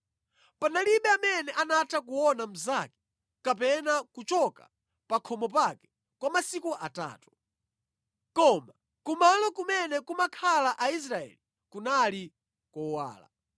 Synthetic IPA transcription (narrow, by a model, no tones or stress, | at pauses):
panaliɓɛamɛnɛʔanatʰak̬uwɔnam̩zakɛ̥ | kapɛnakut͡ʃɔka | pakʰɔmɔpakɛ̥ | kwamasikuʔata̰ːtu̥ | kɔma | kumalɔkumɛnɛkumakʰalaʔais̬ɾaɛ̰li | kunali | kɔwa̰ːla̰